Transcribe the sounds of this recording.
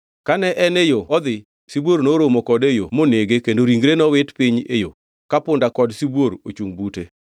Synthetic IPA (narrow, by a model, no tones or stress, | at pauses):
kanɛʔɛnejoɔd̪ɪ | sibwornoɾomokɔdejomoneɡekendoɾiŋɡɾenɔwɪtpiɲḛjo | kapʊndakɔdsiboɾot͡ʃuŋbute